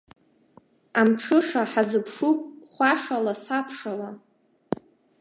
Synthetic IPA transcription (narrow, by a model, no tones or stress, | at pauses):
amʈ͡ʂʰɨʂaħazɨpʰʂupʼχʷaʂalasapʰʂala